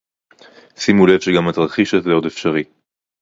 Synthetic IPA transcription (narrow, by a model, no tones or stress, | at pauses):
simulev̥ʃeɡamat̪ʁaχiʃet̪leo̞d̪efʃaʁi